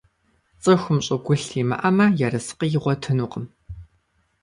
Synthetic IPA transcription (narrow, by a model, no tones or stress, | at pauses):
t͡sʼɨxʷʊmɕʼɪɡʷʊɬʰiːmɐ̰ʔɐmɐjɛrɐsqijɪʁʷɔtʰɨnuːqʼəm